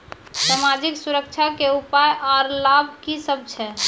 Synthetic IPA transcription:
samad͡ʒiksuɾək̚t͡ʃʰakeupajʔaɾlabʱkisəb̚ʱt͡ʃʰɛ

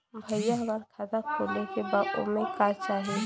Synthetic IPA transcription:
bʱəjaɦɡəɾkʰat̪akʰoːlekebaːʊ̰mẽkat͡ʃaːɦe

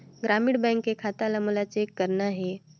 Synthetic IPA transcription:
ɡɾaːmɪɽbɛ̃ŋkːekʰaːt̪alamulat͡ʃekːəɾnaɦɛː

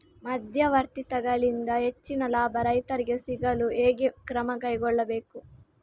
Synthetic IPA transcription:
mɐd̪ʱjɐʋɐɾt̪it̪ɐɡɐɭind̪ɐɦe̞t͡ʃːinɐlaːbɐɾɐjt̪ɐɾiɡesiɡɐlueːɡekɾɐmɐkɐjɡɔɭːɐbeːku

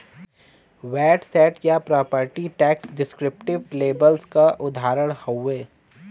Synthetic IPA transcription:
ʋɛːʈsɛːʈjapɾaːpəɾʈiʈɛːksɖɪskɾɪp̚ʈɪʋleːbəlskaʔʊd̪ʱaːɾəɽ̃hoeː

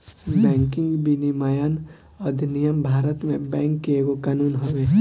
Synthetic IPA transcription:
bɛ̃ːŋkɪ̃ŋɡbinimajan | ɔd̪nijəmbʱaːɾət̪mẽbɛ̃ːŋkːeeːɡokaːnuːnɦoʋeː

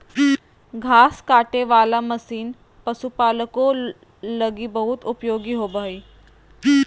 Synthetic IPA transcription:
ɡʱaːskaːʈeʋaːlaməsiːn | pəsupaːləko | ləɡibəɦut̪ʊpjoːɡiɦobəiː

